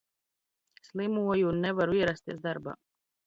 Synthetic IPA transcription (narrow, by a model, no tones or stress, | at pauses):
slˠimuɔjunːɛvaɾuiɛɾast̪iɛsd̪aɾba̰ː